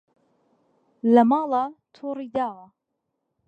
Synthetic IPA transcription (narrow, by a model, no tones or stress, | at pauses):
lamɑːlɑt̪ʰuːɾid̪aː